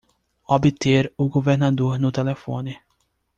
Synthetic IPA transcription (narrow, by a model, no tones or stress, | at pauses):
obit̪eɾʊɡoveɾnad̪oɾnʊt̪elefõ̰nɪ